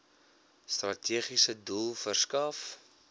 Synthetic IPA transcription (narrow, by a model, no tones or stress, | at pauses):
strɐtʰiəχisədulˠfərskɐf